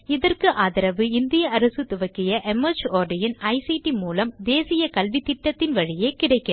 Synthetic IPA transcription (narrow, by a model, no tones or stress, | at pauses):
ɪðɐrkɯʔaːðɪɾɐʋɯɪnd̪ɪjɐɐɾɐsɯt̪ʊʋɐkːɪjɐʔɛmɐɾd͡ʒoːɾɖɪjɪnɐɪsiːʈimuːlɐmd̪eːsɪjɐkɐlʋit̪ːɪʈːɐt̪ːɪnʋɐɻɪjeːkɪɽɐɪkːɐ